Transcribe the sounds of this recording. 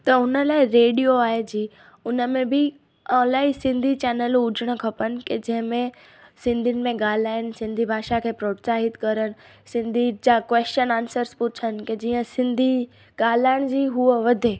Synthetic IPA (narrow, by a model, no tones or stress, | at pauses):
t̪ɐʊnə̆laːɪɾeːɽijoaːɦed͡ʑiː | ʊnəmẽbɪ | ɔ̃ːlaːisɪ̃nd̪ʱit͡ɕɛːnəlʊd͡ʑʱəɽ̃ə̆kʰɐpənɪ̆ked͡ʑɐ̃ɦɪ̃mẽ | sɪ̃nd̪ʱɪnɪ̆mẽɡaːl̤aːɪənɪ̆sɪ̃nd̪ʱibʱaːʃakʰeːpɾoːʈsaːɦɪt̪kɐɾəɽ̃̆ | sɪ̃nd̪ʱid͡ʑaːkʋeːst͡ɕənaːnsəɾspʊt͡ɕʰənɪ̆ked͡ʑiːə̃sɪ̃nd̪ʱi | ɡaːl̤aːɪɽ̃d͡ʑiːɦuəʋɐd̪ʱe